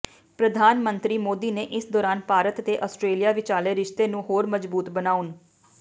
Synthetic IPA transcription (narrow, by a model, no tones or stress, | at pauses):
pɾəd̪ʱaːnmə̃nt̪ɾiːmoːd̪iːneːʔɪsd̪ɔːɾaːnpaːɾət̪ːeːʔɔsʈɾeːlijaːʋɪt͡ʃaːleːɾɪʃt̪eːnũːɦoːɾməd͡ʒbuːt̪bənaːʊn